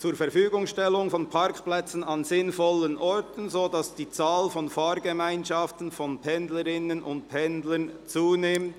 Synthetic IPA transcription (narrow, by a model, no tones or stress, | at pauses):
t͡suːɾfɛɐɾfyːɡʊŋsʃtɛlʊŋfɔnpʰɑɾkplɛt͡sn̩ɑnzɪnfɔlənʔɔɹtən̩zoːdɑsd̥iːt͡saːlfɔnfɑːɾɡəmaɪnʃɑftn̩fɔnpʰɛndləɾɪnənʔʊ̰nt̚pʰɛndlənt͡suːnɪmt